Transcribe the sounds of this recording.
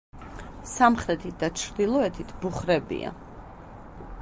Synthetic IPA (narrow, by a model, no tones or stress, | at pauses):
samχɾɛt̪ʰit̪̚d̪̥at͡ʃʰɾd̪ilˠɔɛt̪ʰit̪ʰbuχɾɛbḭa̰